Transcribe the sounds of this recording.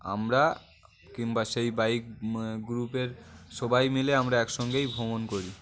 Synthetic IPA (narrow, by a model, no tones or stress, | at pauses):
a̰mɾa | kiŋbaʃejbajkɡɾupeɾʃɔbajmileamɾaɛkʃɔŋɡejbʱomonkoɾi